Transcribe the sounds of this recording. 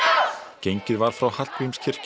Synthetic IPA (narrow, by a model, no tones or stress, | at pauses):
cejɲcɪðvaɾ̥fɾawhal̥t̪vimscʰɪr̥c